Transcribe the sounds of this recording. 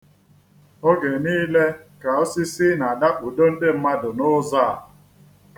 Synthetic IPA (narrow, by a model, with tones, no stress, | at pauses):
o˦ɡe˨niː˦le˦ka˨o˦si˦sɪ˦na˨da˦k͡pʊ˨do˦n̩˦dɪ˦m̩˦ma˦dʊ˨nʊ˦za˦˨a˨